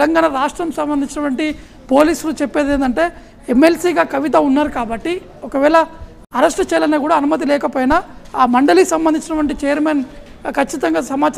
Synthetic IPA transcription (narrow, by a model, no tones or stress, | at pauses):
lɐŋɡaːnɐɾaːʂʈɾɐmsɐmbɐnd̪iɲt͡ʃinɐʈʋɐɳʈi | po̞ːliːsulut͡ʃepːeːd̪eːnd̪ɐɳʈe̞ː | emːe̞lsiːɡaːkɐʋit̪̬ɐunːaːɾukaːbɐʈːi | okɐʋɛːɭɐ | ɐɾesʈt͡ʃɛːjɐlɐneːkuːɽaːnumɐt̪̬ilɛːkɐpoːjnɐːmɐɳɖɐliksɐmbɐnd̪iɲt͡ʃinɐʈʋɐɳʈit͡ʃɛjɐɾmeːn | kʰɐt͡ʃːit̪ɐŋɡaːsɐmaːt͡ʃ